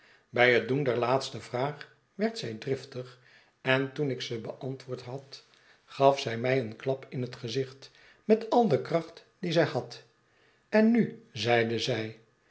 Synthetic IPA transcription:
bɛjɦət̚dundɛɹlaːtstəvraːχ | ʋɛɹtsɛjdrɪftəχ | ɛntunɪksəbəʔɑntʋʊːɹtɦɑt | χɑfsɛjmɛjənklɑpɪnətχəzɪχt | mɛtɑlˠdəkrɑχt | dizɛjhɑt | ɛnːyzɛjdəzɛj

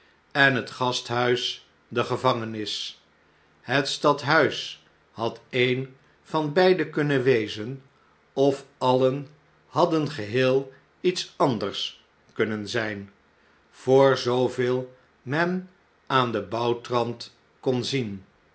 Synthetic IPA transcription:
ɛnɦətχɑstɦœɥs | dəχəvɑŋənɪs | ɦətstɑtɦœɥs | hɑtejn | v̥ɑnbɛjdəkɵnənʋejzən | ɔfɑlən | hɑdənχəɦɪːlˠ | itsɑndəɹs | kɵnənzɛjn | v̥ʊːɹzowvɪːlˠ | mɛn | aːndəbɑwtrɑnt | kɔnzin

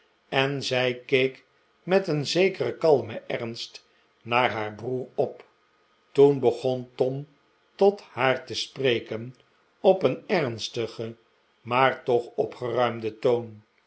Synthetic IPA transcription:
ɛnzɛjkejk | mɛtənzejkərəkɑlˠməʔɛʁnst | naːɹɦaːɹbruːɹɔp | tunbəχɔntɔm | tɔthaːɹtəsprejkən | ɔpənɛʁnstəχə | maːɹtɔχɔpχərœɥmdətown

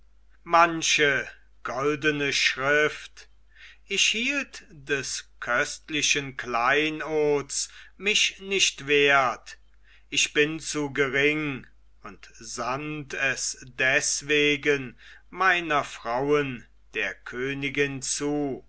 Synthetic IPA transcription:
manʃə | ɡ̥ɔldənəʃʁɪft | ʔɪçhiːltd̥ɛskʰœstlɪʃənklaɪnɔɐsmɪʃnɪʃtv̥eːɐt | ʔɪçb̥ɪnt͡suɡəʁɪŋ | ʊntz̥antʰɛsd̥ɛsv̥eːɡənmaɪnɐfʁ̥aʊən | d̥eːɐkʰøːnɪɡɪnt͡suː

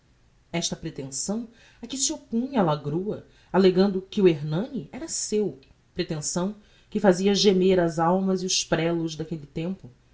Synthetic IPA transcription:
ɛʃt̪ɐpɾet̪ẽsɐ̃w̃ | ɐkisiopũɲɐalaɡɾuɐ | aleɡɐ̃nd̪ʊkɪueɾnɐ̃niʔɛɾɐsew | pɾet̪ẽsɐ̃w̃ | kɪfaziɐʒemeɾɐzawmɐziʊspɾɛlʊzd̪akelɪt̪ẽmpʊ

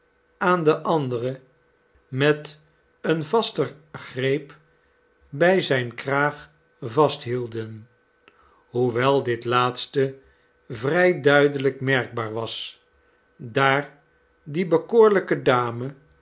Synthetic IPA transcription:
aːndəʔɑndərə | mɛt | ənvɑstəχrejp | bɛjzɛjnkraːχ | vɑstɦilˠdən | ɦuʋɛlˠdɪtlaːtstə | vrɛjdœɥdələkmɛɹɡ̚baːɹʋɑs | daːɹ | dibəkʊːɹləkədaːmə

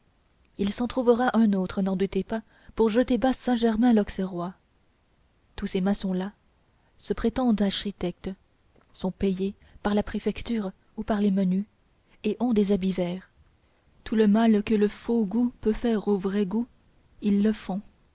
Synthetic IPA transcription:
ilsɑ̃t̪χuvəʁaʔɛ̃not̪χənɑ̃d̪ut̪epa | puʁʒət̪ebasɛ̃ʒɛʁmɛ̃lɔkseʁwa | t̪usemasɔ̃la | səpχet̪ɑ̃d̪aʁʃit̪ɛk̚t̪ | sɔ̃pɛje | paʁlapχefɛkt̪yːʁ | upaʁleməny | eʔɔ̃d̪ezabivɛːʁ | t̪uləmalkələfoɡupøfɛʁovʁɛɡu | ilːəfɔ̃

